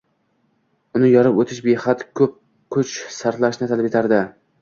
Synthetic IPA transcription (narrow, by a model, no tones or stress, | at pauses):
ʊnɪjɒɾɪpot̪ʰɪʃbehat̪kʰɵp̚ | kʰʊt͡ʃsaɾt̪laʃnɪt̪ʰalɪpjet̪ʰaɾd̪ɪ